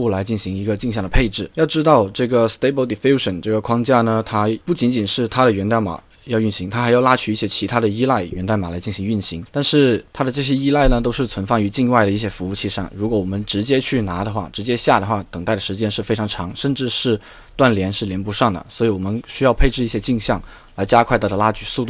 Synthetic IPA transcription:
u˥˩la˧˥ɪt͡ɕi˥˩nɕi˧˥ŋi˧˥ɡə˧t͡ɕi˥˧ŋɕjɑ˥˩ŋd̪ə˩pʰe˥˧ɪʈ͡ʂɻ̩˥˩jɑ˥˩ʊʈ͡ʂɻ̩˥t̪ɑ˥˧ʊʈ͡ʂɤ˥˩ɡə˩st̪e˥ɪbə˧˥ld̪i˨fi˥ʊʂə˨˩nʈ͡ʂɤ˥˩ɡə˩kʰwɑ˥ŋt͡ɕja˥˩nə˩t̪ʰa˥pu˥˩t͡ɕi˧˥nt͡ɕi˨˩nʂɻ̩˥˩t̪ʰa˥ɾə˨ɥɛ˧˥nt̪a˥˩ma̰˨˩ | jɑ˥˧ʊy˥˩nɕi˧˥ŋt̪ʰa˥xa˧˥ɪjɑ˥˧ʊla˥t͡ɕʰy˥˧i˥˩ɕjɛ˥˩t͡ɕʰi˧˥t̪ʰa˥ɾə˨i˥la˥˩ɪɥʔɛ˧˥nt̪a˥˩ma˨˩la˧˥ɪt͡ɕi˥˩n˩ɕi˧˥ŋy˥˩nɕi˧˥ŋt̪a˥˧nʂɻ̩˥˩t̪ʰa˥d̪ə˨ʈ͡ʂɤ˥˧˩ɕ̬jɛ˥i˥la˥˩ɪnə˩t̪̬o˥ʊʂɻ̩˥˩t͡sʰwə˧˥nfɑ˥˩ŋy˧˥t͡ɕi˥˧ŋwa˥˩ɪd̪ə˩i˥˩ɕ̬jɛ˥fu˧˥u˥˧t͡ɕʰi˥˧ʂa̰˥˩nɻu˧˥kwɔ˧˥wɔ˨˩mə˧˦nʈ͡ʂɻ̩˧˥t͡ɕjɛ˥t͡ɕʰy˥˩na˧˥d̪ə˧xwa˥˩ʈ͡ʂɻ̩˧˥t͡ɕjɛ˥ɕja˥˩d̪ə˩xwa˥˩t̪əɤ˨˩ŋt̪a˥˩ɪd̪ə˩ʂɻ̩˧˥t͡ɕjɛ˥nʂɻ̩˥˩fe˥ɪʈ͡ʂʰɑ˧˥ŋʈ͡ʂʰɑ˧˥ŋʂə˥˧nʈ͡ʂɻ̩˥˧ʂɻ̩˥˩ | t̪wa˥˩nljɛ˧˥nʂɻ̩˥˩ljɛ˧˥npu˧˥ʂɑ˥˩ŋd̪ə̰˩swɔ˧˥i˧˥wɔ˨˩mə˦nɕy˥jɑ˥˧ʊpʰe˥˧ɪʈ͡ʂɻ̩˥˧i˥˩ɕjɛ˥t͡ɕi˥˧ŋɕjɑ˥˩ŋ | la˧˥ɪt͡ɕja˥kʰwa˥˩ɪ˧˥t̪ɑ˧˥la˥t͡ɕy˧˩su˥˧t̪u˥˩

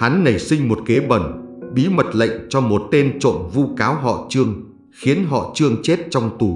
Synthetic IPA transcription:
ha˨˦nːə˨˧˩jsï˧ŋ̟mo˨˩t̚ke˨˦ɓə˨˩nɓi˨˦mə˨˩t̚lə̰˧˨jŋ̟t͡ɕɔ˧mo˨˩t̚t̪e˧nt͡ɕo̰˧˨nvu˧kaː˨˦wɦɔ̰˧˨t͡ɕɨ˧əŋ | xi˨˦ənɦɔ̰˧˨t͡ɕɨ˧əŋt͡ɕe˦˥t̚t͡ɕɔ˧wŋ͡mt̪u˨˩

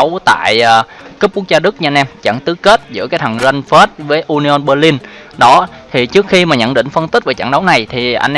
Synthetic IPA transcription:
wt̪a̰ː˧˨jʔː | kɨ˦˥p̚ku˦˥k̚zaː˧ɗɨ˦˥k̚ɲ˧a˧nʔɛ˧mt͡ɕa̰˧˩ŋt̪ɨ˨˦ke˦˥t̚zɨ̰˧˥əkaː˨˦jt̪ʰa˨˩ŋzə˧nfe˦˥t̚vəː˨˦jʔu˧ni˧ʔo˧nɓəː˧li˧n | ɗɔ˨˦ | t̪ʰi˨˩t͡ɕɨ˦˥ək̚xi˧maː˨˩ɲə̰˧˥nɗḭ˧˨ŋ̟fə˧nt̪i̟˦˥vaː˨˩t͡ɕa̰˧˩ŋɗə˨˦wna˨˩jt̪ʰi˨˩ʔa̰˧ŋnʔ

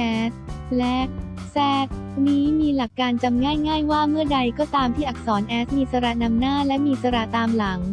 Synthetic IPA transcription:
ɛː˦˥slɛ˦˥sɛː˦˥t̪̚niː˦˥miː˧la˨˩kːaː˧nt͡ɕa˧mŋaː˥˩jŋaː˥˩jwaː˥˩mɯ˥˩əda˧jkɔː˥˩t̪aː˧mt̪ʰiː˥˩ʔa˨˩k̚sɔː˩˦nʔɛː˦˥s̚miː˧sa˧ɾa˧˩na˧mnaː˥˩lɛ˦˥miː˧sa˧ɾa˧˩t̪aː˧mla˩˦ŋ

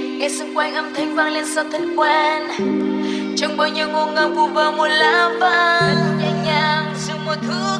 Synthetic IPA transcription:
ŋa˨˧˩sɨ˧˦ŋ͡mkwɛ˧nʔə˧˩mt̪ʰa˧jŋ̟vaː˧ŋli˧ənsa˧˩t̪ʰi˧ŋkwɛ˧n | t͡ɕɔ˧wŋ͡mɓaː˧wɲi˧əwŋo˧˩ŋəː˧˩ku˧vəː˨˩mo˨˩t̚laː˧˦vaː˧nɲa˨˩ɲaː˨˩ŋsɨ˧˦ŋmo˨˩t̚t̪ʰɨ˨˧˦

